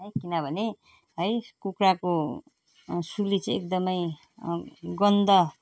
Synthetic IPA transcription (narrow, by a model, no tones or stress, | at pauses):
ɦʌjkinʌbʱʌne | ɦʌjkukrako | sulit͡sʌ̃ek̚d̪ʌmʌj | ɡʌnd̪ʌ